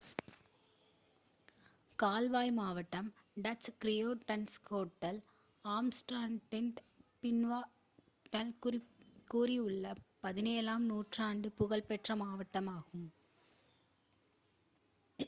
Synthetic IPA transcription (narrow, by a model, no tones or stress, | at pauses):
kaːlʋaːjmaːʋɐʈːɐm | ɖɐt͡ʃkɾɪjoːʈɐnskoːʈːɐl | aːmsʈaːɳʈɪnt̪ | pɪnʋaː | ʈɐlkkuːriɯɭːɐpɐðɪneːlaːmnuːʈraːɳɖɯpʊɣɐlpɛʈrɐmaːʋɐʈːɐmaːɣɯm